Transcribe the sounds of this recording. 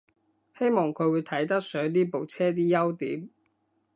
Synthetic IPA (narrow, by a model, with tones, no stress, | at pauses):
he˥jmɔː˨˩ŋkʰɵ˨˧ɥwuː˨˧t̪ʰɐ˨˥jt̪ɐ˥k̚sœː˨˥ŋt̪iː˥po˨wt͡sʰɛː˥t̪̬iː˥jɐ˥wt̪ḭː˨˥m